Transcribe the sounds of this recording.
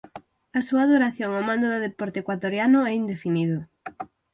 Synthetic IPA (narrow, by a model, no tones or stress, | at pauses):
ɐsuɐðuɾaθjoŋomãnd̪oðʊðepɔɾt̪ekwat̪oɾjanʊɛind̪efiniðʊ